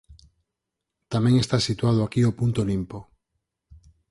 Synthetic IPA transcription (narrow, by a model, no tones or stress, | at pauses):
t̪amẽŋest̪asit̪waðoakiopunt̪olimpo